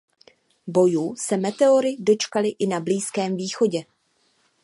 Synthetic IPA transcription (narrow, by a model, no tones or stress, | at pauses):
bo̞juːsɛmɛt̪ɛo̞ɾɪdo̞t͡ʃkalɪʔɪnabliːskɛːmviːxo̞ɟɛ